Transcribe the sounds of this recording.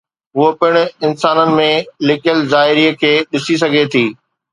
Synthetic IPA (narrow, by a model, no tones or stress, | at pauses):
ɦʊɦopɪɽ̃ɪnsaːnənɪ̆mẽlɪkjəlzaːɪɾiəkʰeːɗɪsis̬ɐɡʱet̪ʰiː